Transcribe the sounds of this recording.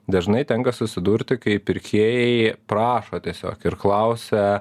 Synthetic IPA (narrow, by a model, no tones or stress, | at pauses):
d̪ɐʒnɐɪt̪ʲɛŋkɐsʊsʲɪd̪uːɾʲt̪ʲɪkɐɪpʲɪɾʲkʲʰiɛjɛɪpɾɑːʃoːt̪ʲiɛsʲo̰ːkɪɾklˠɐʊsʲɛ